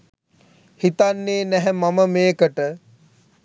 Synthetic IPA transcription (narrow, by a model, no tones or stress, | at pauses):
hit̪anːeːnæɦɛmaməmeːkəʈə